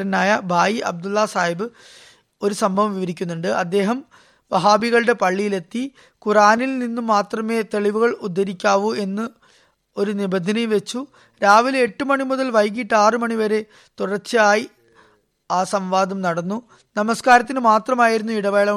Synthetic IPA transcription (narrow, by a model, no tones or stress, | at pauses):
ɾɐnːaːjɐbʱaːjiʔɐ̰b̚d̪ulːɐsaːjibɨ | o̞ɾusɐmbʱɐʋɐmʋiʋɐɾikʲːunːuɳɖɨʔɐd̪ːe̞ːɦɐm | ʋɐɦaːbiɣɐɭɨɽe̞pɐɭːijile̞t̪ːi | kuraːnilninːumːaːt̪rɐme̞ːt̪e̞ɭiʋuɣɐɭud̪ʱːɐɾikʲːaːʋue̞nːɨ | o̞ɾunibɐnd̪ʱːɐnɐjʋe̞t͡ɕːu | ɾaːʋile̞ʈːɨmɐɳimuðɐlʋɐjk̬ːiʈːaːrɨmɐɳiʋɐɾe̞ | t̪uɽɐrt͡ɕːɨaːji | aːsɐmʋaːd̪ɐmnɐɽɐnːu | nɐmɐskaːɾɐt̪̬ːinɨmaːt̪rɐmaːjiɾunːuiɽɐʋe̞ːɭɐ